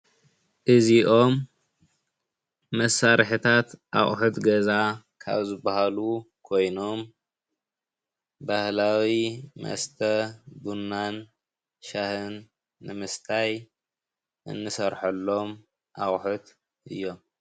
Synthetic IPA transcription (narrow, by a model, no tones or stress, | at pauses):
ʔɨziʔo̞m | ɐsaɾħɨt̪ʰat̪ʔa̰χʼħut̪ɡɐza | kʰa̰βzɨbahalu | kʰo̞jno̞m | bahlawimɐ̰st̪ʰɐd̪unːan | ʃahɨnː | ɨmɨst̪ʰaj | ʔɨ̰nːɨsɐɾħɐlːo̞m | ʔa̰χʼħut̪ | ʔɨ̰jːo̞m